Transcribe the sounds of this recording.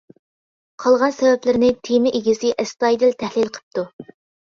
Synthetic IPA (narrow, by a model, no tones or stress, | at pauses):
qʰɑlˠʁɑnsɛvɛplɪɾnɪt̪ʰemɪʔeɡʲizɪʔɛst̪ɑjd̪ɪlt̪ʰɛhlɪlqʰə̥p̚t̪u